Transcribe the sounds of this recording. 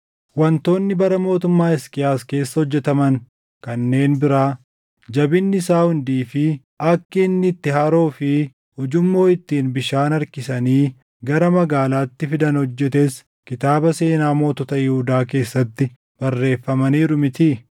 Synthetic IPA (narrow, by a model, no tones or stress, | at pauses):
wɐnt̪o̞ːnːɪbɐɾɐmo̞ːt̪ʊmːaːɪskɪjaːske̞ːsːɐhɔd͡ʒːɛt̪ɐmɐŋ | kɐnːe̞ːnbɪɾaː | d͡ʒɐbɪnːɪsaːhʊnd̪iːfɪ | ɐkːɪːnːɪt̪ːɪhɐɾo̞ːfɪ | hʊd͡ʒʊmːo̞ːɪt̪ːiːnbɪʃaːnɐɾkɪsɐniː | ɡɐɾɐmɐɡaːlaːt̪ːɪfɪd̪ɐnhɔd͡ʒːɛt̪ɛs | kɪt̪aːbɐse̞ːnaːmo̞ːt̪ɔt̪ɐjɪhud̪aːke̞ːsːɐt̪ːɪ | b̥ɐrːe̞ːfːɐmɐniːɾʊmɪt̪i